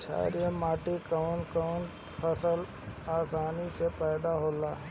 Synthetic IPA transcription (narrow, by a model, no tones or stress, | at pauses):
t͡ʃʰa̰ːɾijəmaːʈikəʋnkən | pʰəsəl | aːsaːnisepɛːd̪aɦoːlaː